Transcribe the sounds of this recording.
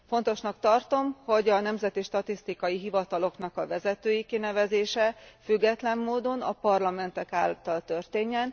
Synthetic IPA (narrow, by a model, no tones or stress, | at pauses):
fo̞nt̪o̞ʃnɒkt̪ɒrt̪o̞mho̞ɟɒnɛmzɛt̪iʃt̪ɒt̪ist̪ikɒjiɦivɒt̪ɒlo̞kn̪ɒkɒvɛzɛt̪øːjikinɛvɛzeːʃɛfyɡːɛt̪lɛmːoːd̪o̞nɒpɒrlɒmɛnt̪ɛka̰ːlt̪ɒlt̪ørt̪eːɲːɛn